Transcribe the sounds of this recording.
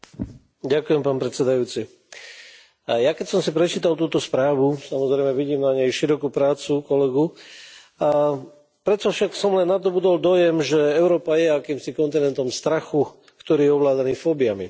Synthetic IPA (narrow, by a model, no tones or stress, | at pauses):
ɟakujɛmpaːnpɾɛt̪t͡sɛd̪ajuːt͡si | jakɛcsɔmsipɾɛt͡ʃiːt̪alt̪uːt̪ɔspɾaːʋusamɔzɾɛjmɛʋiɟiːmnaɲɛjʃiɾɔkupɾaːt͡sukɔlɛɡu | a | pɾɛt͡sɔfʃaksɔmlɛnːad̪ɔbud̪ɔld̪ɔjɛmʒɛɛʊɾɔːpajɛakiːmsikɔnt̪inɛnt̪ɔmst̪ɾaxu | kt̪ɔɾiːjɛɔʋlaːd̪aniːfɔːbiami